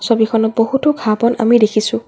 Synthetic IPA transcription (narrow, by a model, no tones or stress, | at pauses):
sobikʰɔnɔt̚bohutɔɡʱabɔna̰midekʰisʊ̃